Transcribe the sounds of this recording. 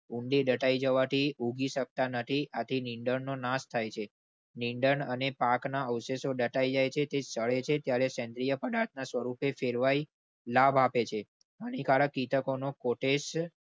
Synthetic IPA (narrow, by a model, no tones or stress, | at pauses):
uɳɖiɗəʈaid͡ʒəʋat̪ʰiuɡiʃək̚t̪anət̪ʰiat̪ʰiniɳɖəɳnonast̪ʰajt͡ʃʰe | niɳɖəɳənepaknaəwsesoɖəʈaid͡ʒajt͡ʃʰet̪esəɭet͡ʃʰet̪jaɾesɛ̃nd̪ɾijəpəɖat̪̚nasʋəɾupefeɾʋai | labʱapet͡ʃʰe | ənikaɭəkit̪əkonokoʈes